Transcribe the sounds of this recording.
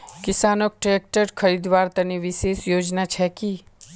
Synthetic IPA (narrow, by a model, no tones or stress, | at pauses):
kɪsaːnok̚ʈɾeːk̚ʈəɾkʰəɾid̪ʋaːɾt̪ɐniʋɪseːsjoːd͡ʒnat͡ʃʰɛki